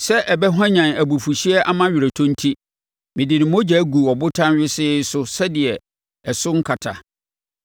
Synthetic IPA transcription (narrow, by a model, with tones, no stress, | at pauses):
sɛ˦ʔɛ˨bɛ˦ɦã˦ɲã˨næ˨bu˨fu˨ɕi˦ɛ˦ʔa˦mã˦ɥɪ˨ɾæ˨tʰõ˦n̩˦tʰi˦ | mɪ̃˨dɪ˨nɪ̃˨mõ˦d͡ʑɛ˨˦ɡu˨ɔ˨bʊ˦tʰã˦nɥɪ˦sɪ˦sʊ˦sɛ˦dɪ˨ɛ˨ | ɛ˨sʊ˦ŋ̩˦kʰa˨tʰa˨